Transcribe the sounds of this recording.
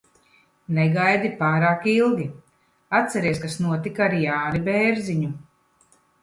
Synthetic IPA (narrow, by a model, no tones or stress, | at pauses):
nɛɡajd̪ipaːɾaːkilˠɡʲi | at̪sɛɾiɛskasnuɔt̪ikaaɾiːaːɾibɛːɾziɲu